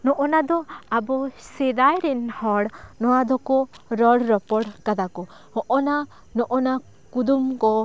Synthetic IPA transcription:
nɔʔɔnad̪ɔabɔsɛd̪ajɾɛnhɔɽnɔwad̪ɔkɔɾɔɽɾɔpɔɽkad̪akɔ | hɔʔɔna | nɔʔɔna | kud̪umkɔ

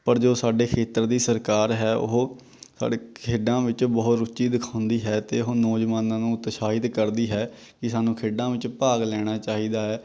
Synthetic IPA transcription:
pəɾd͡ʒoːsaːɖeːkʰeːt̪əɾd̪iːsəɾkaːɾɦɛːʊ̰ɦoː | sa̰ːɖeːkʰeːɖãːʋɪt͡ʃbɔːt̪ɾʊt͡ʃiːd̪ɪkʰãːʊ̃nd̪iːɦɛːt̪eːʊɦoːnɔːd͡ʒʋaːnãːnũːt̪ʃaːɪd̪kəɾd̪iːɦɛː | kɪsaːnũːkʰeːɖãːʋɪt͡ʃpaːɡlɛːɽ̃aːt͡ʃaːɦiːd̪aːɛː

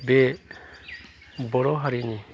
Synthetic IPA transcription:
bɛ | bɔɾɔɦaɾini

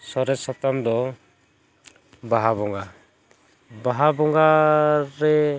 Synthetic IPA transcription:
sɔɾɛsɔp̚t̪amd̪ɔ | baɦabɔŋɡa | baɦabɔŋɡaɾɛ

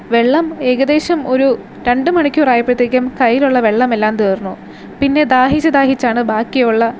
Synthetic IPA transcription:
ʋe̞ɭːɐme̞ɣɐd̪e̞ːɕɐmo̞ɾu | ɾe̞ɳɖɨmɐɳikʲːuːraːjipːrɐt̪ːiːkʲːɐmkɐjːiluɭːɐʋe̞ɭːɐmelːaːmt̪eːrnːu | pinːe̞d̪aːɦid͡ʑɐd̪aːɦit͡ɕːaːɳɨbaːkːijuɭːɐ

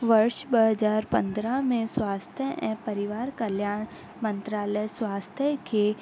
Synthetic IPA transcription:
ʋəɾʃbəɦəd͡ʒaːɾpɐ̰̃nd̪ɾamẽswaːst̪ʰjəʔɛ̃pəɾɪʋaːɾkəljaːɽ̃ | mə̃nt̪ɾaːləjswaːst̪ʰjəke

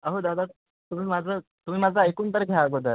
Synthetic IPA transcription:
əɦod̪ad̪a | t̪um̤iːmad͡zʱət̪um̤iːmad͡zʱaekuːnt̪əɾɡʱjaɡod̪əɾ

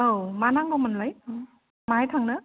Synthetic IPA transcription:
owmanaŋɡomanlaj | maajtʰaŋnɯ

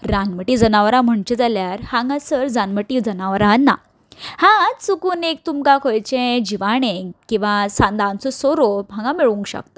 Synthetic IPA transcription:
ɾanməʈid͡zənaʋəɾãm̤əɳt͡ɕed͡zaljaɾhãŋɡãsəɾd͡zanməʈid͡zənaʋɾanːa̰ | hãt͡sukuːnek̚t̪umkãkʰojt͡ɕẽd͡ʑiʋaɽ̃ẽkĩw̃ʋasãnd̪ʱant͡sɔsoɾomʱãɡãmiɭũŋkɕə̰k̚t̪ə

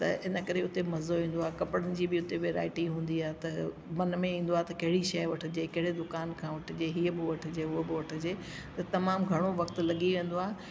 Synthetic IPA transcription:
t̪ɐ̰ɪnəkɐɾeʊt̪emɐzoʋĩːn̆d̪oaːkɐpɪɽənɪ̆d͡ʑiːbɪʊt̪eʋeːɾa̰ːɪʈiɦũːn̆d̪iaːet̪ɐ | mɐnmẽĩːn̆d̪oaːet̪ɐkɐɦɪɽiʃɐjʋɐʈʰʊ̆d͡ʑeːkɐɦɪɽed̪ʊkaːnkʰãːʋɐʈʰɪd͡ʑeɦiːəbɪʋɐʈʰɪd͡ʑeːʊɦobɪʋɐʈʰɪ̆d͡ʑeː | t̪ɐt̪ɐmaːmɡʱɐɽ̃oʋɐkt̪lɐɠiʋẽːn̆d̪oaːɦe

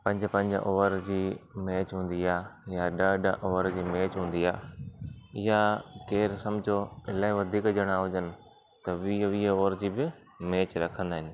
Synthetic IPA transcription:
pɐ̃ɲd͡ʑpɐ̃ɲd͡ʑ̰ʔoːʋəɾd͡ʑiːmeːt͡ɕɦũːnd̪iaːjaɗəɖʔoːʋəɾd͡ʑiːmeːt͡ɕɦũːn̆d̪iaː | ɪjakeːɾsɐmd͡ʑʱoɪlaːiʋɐd̪ʱiːkd͡ʑəɽ̃aːɦʊd͡ʑənɪ̆ | t̪ɐʋiʋiəoːəɾd͡ʑiːbɪ | meːt͡ɕɾɐkʰə̃nd̪aːɦɪnɪ̆

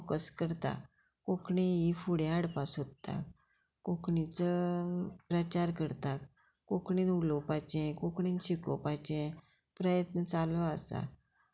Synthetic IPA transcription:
kəskəɾt̪a̰ | kokɳiifuɽẽaɽpasot̪t̪a̰ | kokɳit͡sə | pɾət͡ɕaɾkəɾt̪ak | kokɳinulopajt͡ɕɛ̃kokɳĩnɕikɔ̰pajt͡ɕɛ̃ | pɾəjət̪nət͡saləasa̰

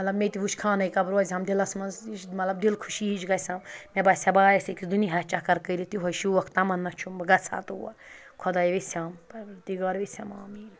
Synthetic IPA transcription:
ɐt̪lɐbmet̪iʋut͡ʃkʰaːnɐjkɐbɾoːzʲɐmd̪ilɐsmɐnzit͡ʃmɐt̪lɐbd̪ilkʰu̥ʃiit͡ʃɡɐsʲammʲebɐsʲɐbaːjɐsɐkisd̪uniɦɐt͡ʃakɐɾkəɾit̪iɦojʃiʋɐkʰt̪ɐmɐnːɐt͡ʃʰumbɐɡɐt͡sʰa̰ːt̪uwɐ̰ɾ | kʰɔd̪ɐjʋisʲaːmpɐd̪iɡɐɾʋisʲɐma̰ːmin

